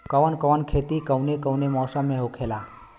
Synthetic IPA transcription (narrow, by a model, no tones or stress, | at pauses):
kəʋənkəʋənkʰeːt̪ikəwnekəwnemɔːsãmẽɦokʰeːlaː